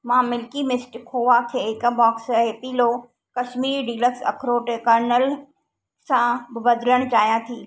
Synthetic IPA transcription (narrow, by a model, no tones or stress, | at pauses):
mãːmɪlkimɪsʈkʰoːʋakʰeːɪkəbɔːkseːpiːlo | kɐʃmiːɾɖiːləksɐ̰kʰɾoːʈekəɾnəl | sãbɪbɐd̪ʱləɽ̃t͡ɕaːjãt̪ʰiː